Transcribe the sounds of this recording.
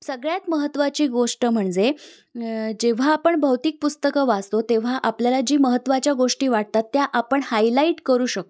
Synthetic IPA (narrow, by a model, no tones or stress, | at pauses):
səɡɭjat̪məɦət̪ːʋat͡ɕiːɡoʂʈəm̤əɳd͡ze | d͡ʑeʋ̤aːpəɳbʱəwt̪iːk̚pust̪əkəʋad͡zt̪ot̪eʋ̤aʔapljalad͡ʑiːməɦət̪ːʋat͡ɕjaɡoʂʈiːʋaʈ̚t̪at̪ːjaʔapəɳhajlaiʈkəɾuːɕək̚t̪